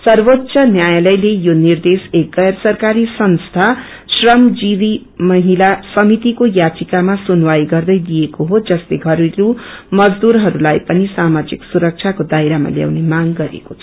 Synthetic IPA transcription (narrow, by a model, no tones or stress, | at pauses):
sʌrbot̪ːsʰʌnjajalʌjlejonird̪esek̚ɡʌjʌɾsʌrkaɾisʌnst̪ʰa | srʌmd͡ziɾi | mʌɦilasʌmit̪ikojat͡sikamasunwajɡʌrd̪ʌjd̪ijekoɦod͡zʌsleɡʱʌɾiɾumʌd͡zd̪uɾɦʌɾulajpʌnisamad͡ziksuɾʌk̚t͡sʰakod̪ajɾama̰lja̰wnemaŋɡʌɾḛkot͡sʰʌ̥